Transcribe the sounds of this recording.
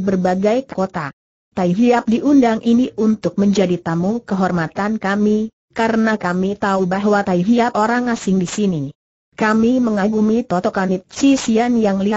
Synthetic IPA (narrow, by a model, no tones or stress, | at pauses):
bərbaɡajkkot̪a | t̪aiɦiap̚diʔundaŋʔiniʔunt̪ʊk̚məɲd͡ʒadit̪amukəɦɔrmat̪ankami | kaɾənakamit̪aubaɦwat̪aiɦiapoɾaŋasɪŋdisini | kamiməŋaɡumit̪ɔt̪ɔkanit̪̚sisianjaŋli